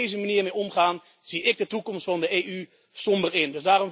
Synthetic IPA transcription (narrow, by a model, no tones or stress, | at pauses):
ejzəmaniərmejɔmχaːn | z̥iɪɡ̚dətukɔmstfɑndəeːʔy | sɔmbərɪndøzdaːɾɔm